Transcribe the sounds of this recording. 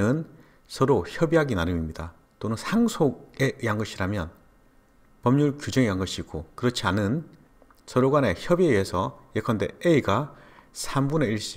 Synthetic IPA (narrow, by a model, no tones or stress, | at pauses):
ɯn | sʰʌɾoçʌbiɦaɡinaɾɯmimɲida | tonɯnsʰaŋsʰoɡeʔiɦanɡʌɕʰiɾamjʌn | pʌmɲuɭkjud͡ʑʌŋiɦanɡʌɕʰiːk͈okɯɾʌt͡ɕʰianɯn | sʰʌɾoɡwane̞çʌbieɥiesʰʌjekʰʌnde̞̰eiɡasʰambune̞iɭɕ͈i